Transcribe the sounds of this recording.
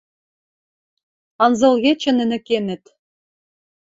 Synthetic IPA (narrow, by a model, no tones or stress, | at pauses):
ɑnzɤ̆lˠɣʲet͡ɕɘ̆nɘ̆nɘ̆kenɘ̆t̪